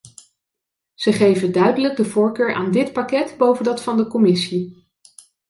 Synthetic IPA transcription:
z̥əχejvədœɥdələɡ̚dəvʊːɹkøːɹʔa̰ːndɪtpɑkɛdbowvəndɑtfɑndəkɔmɪsi

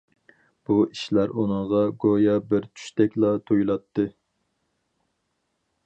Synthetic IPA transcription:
b̥uiʃlæɾunɨŋʁɑɡojɑbɪɾt͡ʃʰy̥ʃt̪ɛkʲlˠɑt̪ʰojulˠɑt̪ʰːɨ

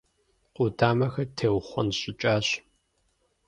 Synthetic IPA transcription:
qʷʼʊtʰaːmɐxɐtʰeːwχʷɔnɕʼɪt͡ʃʼaːɕ

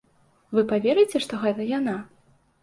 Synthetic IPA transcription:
vɨpavʲeɾɨjt͡sʲɛʂt̪ɔɣɛt̪ɐjana

